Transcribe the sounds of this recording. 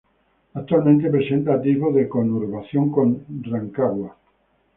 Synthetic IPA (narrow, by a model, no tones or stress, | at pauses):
ak̚t̪ualmẽnt̪̬ep̬ɾesent̪at̪iβoðekonuɾβaθjoŋkõnrraŋkaɣwa